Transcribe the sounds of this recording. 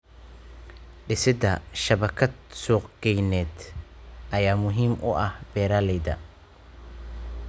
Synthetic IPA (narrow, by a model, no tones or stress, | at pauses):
ɖɪsɪd̪ɐʃɐβɐkʰɐd̪̚suːqɡ̥ɛjnɛːd̪ʔɐjaːmʊɦiːmʔʊ̰ʔɐhbɛːɾaːlɛjd̪ɐ̰